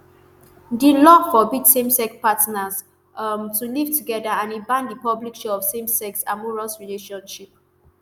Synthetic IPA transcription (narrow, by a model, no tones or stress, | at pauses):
dilɔfɔbidsẽmsɛkpatnas | tuliv̥tuɡɛdaãnĩbãndipɔblikʃɔɔvsẽmsɛksamɔɹalsɹileʃɔ̃nʃip̚